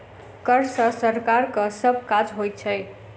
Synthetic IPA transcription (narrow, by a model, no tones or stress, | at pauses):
kʌɾsʌsəɾkaɾkəsəbʱkad͡ʒɦojt̪̚t͡ʃʰəj